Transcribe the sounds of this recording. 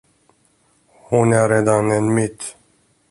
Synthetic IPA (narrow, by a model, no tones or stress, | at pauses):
hunɛɾeːd̪anɛnmit̪